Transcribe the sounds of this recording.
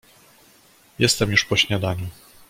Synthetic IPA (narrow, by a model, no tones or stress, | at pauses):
jɛst̪ɛmjuʂpɔɕɲad̪aɲu